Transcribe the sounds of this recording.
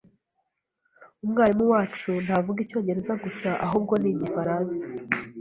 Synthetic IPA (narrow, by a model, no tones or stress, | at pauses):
umŋaːɾimuwaːt͡ʃun̥avuɡico̞ːɲɟe̞ɾe̞zaɡusaʔaɦuːb̚ɡo̞niːɟifaɾaːnsḁ